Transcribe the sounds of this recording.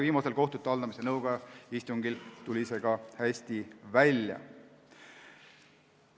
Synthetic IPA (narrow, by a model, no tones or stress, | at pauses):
viːmɑselko̞ht̪ut̪ˑːeɑld̪ɑmise̞nɤwɡ̥ɑist̪uŋɡ̥ilt̪ulʲise̞ɡ̥ɑhæsʲt̪ivælʲjɑ̰